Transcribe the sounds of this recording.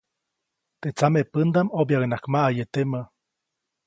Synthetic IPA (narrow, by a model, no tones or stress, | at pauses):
t̪et͡samepənd̪amobjaɡnakmaʔajet̪emə